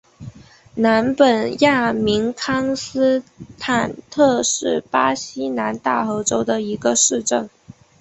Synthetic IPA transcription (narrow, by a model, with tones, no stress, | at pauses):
na˧˥npə˨˩nja˥˩mi˧˥ŋkʰɑ˥ŋs̩˥t̪ʰa˨˩nt̪ʰɤ˥˧ʂɻ̩˥˩pa˥ɕi˥na˧˥nt̪a˥˩o˧˥ʈ͡ʂo˥ʊd̪ə˨i˧˥ɡə˧ʂɻ̩˥˧ʈ͡ʂə˥˩ŋ